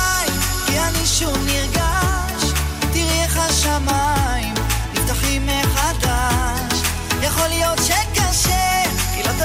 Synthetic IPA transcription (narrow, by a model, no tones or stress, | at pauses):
im | kianiʃumniʁɡa | ʃ | t̪iʁeχaʃamaim | ift̪aχimːeχad̪a | ʃ | jaχo̞lijo̞tʃekaʃe | kilot̪a